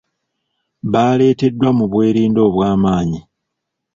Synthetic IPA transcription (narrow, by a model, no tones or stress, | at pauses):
βaːle̞ːte̞dːwamuβwe̞ːɾiːndo̞ːβwaːmaːɲi